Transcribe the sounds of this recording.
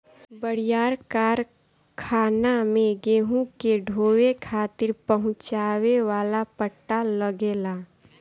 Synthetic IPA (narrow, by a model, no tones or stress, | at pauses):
bəɽɪjaːɾkaːɾ | kʰaːnamẽɡeːɦũkeɖʱoːwekʰaːt̪ɪɾpəɦʊ̃t͡ʃaːweʋaːlapəʈːaləɡeːlaː